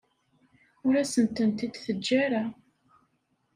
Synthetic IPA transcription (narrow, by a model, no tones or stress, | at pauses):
ʊɾæsənt̪ənt̪id̪θəd͡ʒːaɾa